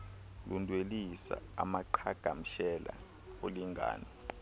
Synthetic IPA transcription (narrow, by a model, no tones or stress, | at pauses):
lundʱwelisa̰ːmaǃʰaɡ̥ʱam̩ʃɛla | oliŋɡʱa̰ːnɔ